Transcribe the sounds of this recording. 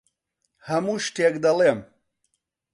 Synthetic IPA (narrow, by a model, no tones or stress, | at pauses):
hɐmuʃʈekd̪ɐlem